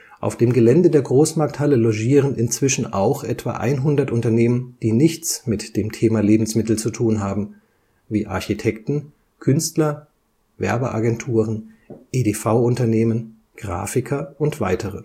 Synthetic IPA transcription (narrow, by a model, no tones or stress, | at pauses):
ʔa̰ʊfd̥eːmɡəlɛndədeːɐɡʁoːsmaɐk̚thaləloʒiːʁ̞ənɪnt͡sv̥ɪʃn̩ʔa̰ʊxʔɛtv̥a̰ʔa̰ɪnɦʊndɐtʔʊntɐneːmənd̥iːnɪçt͡smɪtd̥eːmtʰeːmaleːbm̩smɪtl̩t͡sutʰuːnɦaːbm̩ | viːʔa̰ɐçitʰɛktn̩ | kʰʏnstlɐ | vɛ̰ɐbəʔa̰ɡɛntʰuːʁənʔeːdefaʊʊntɐneːmən | ɡ̥ʁa̰ːfɪkʰɐʔʊntv̥aɪtʰəʁə